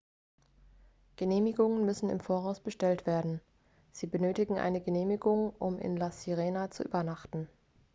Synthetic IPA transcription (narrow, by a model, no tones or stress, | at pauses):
ɡ̥əneːmɪɡʊŋənmʏsn̩ɪ̰mfoːɐʁaʊsb̥əʃtɛltv̥eːɐdn̩ | z̥iːbənøːtɪɡŋ̩ʔa̰ɪnəɡəneːmɪɡʊŋʔʊmʔɪ̰nlasiʁeːnat͡sṵʔy̰ːbɐnaχtn̩